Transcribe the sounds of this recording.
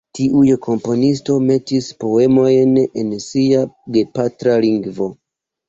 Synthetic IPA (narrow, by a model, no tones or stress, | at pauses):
tiʔujkʰo̞mpo̞nisto̞me̞tispo̞e̞mo̞jne̞nsiaɡe̞patɾaliŋɡvo̞